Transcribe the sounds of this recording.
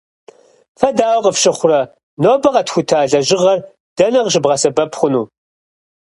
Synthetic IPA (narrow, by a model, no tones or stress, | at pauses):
fɐdaːwqəfʃɨχʷʊrɐ | noːbɐqɐtxʷʊtʰaːɮɐʒɪʁɐr | d̥ɐnɐʁʒɨbʁɐsɐbɐpχʷʊnuː